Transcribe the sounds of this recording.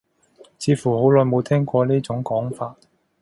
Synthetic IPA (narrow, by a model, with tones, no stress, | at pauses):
t͡sʰiː˨˥fuː˨˩ho˨˥wlɔː˧jmo˨˧wt̪ʰɛː˥ŋkʷɔː˧niː˥t͡sʊ˨˥ŋkɔː˨˥ŋfaː˧t̚